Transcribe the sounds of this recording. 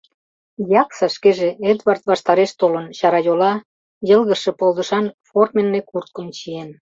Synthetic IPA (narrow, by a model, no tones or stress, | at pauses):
jɑksɑʃkeʒeed̪βɑrt̪βɑʃt̪ɑɾeʃt̪olənɕɑɾɑjolɑ | jə̆lɣəʃe̽polˠd̪ə̆ʃɑnformenːekurt̪̚kəmt͡ɕien